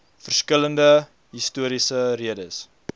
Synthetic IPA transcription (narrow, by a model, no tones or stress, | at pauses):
fərskələndə | ɦistuəɾisəɾiədəs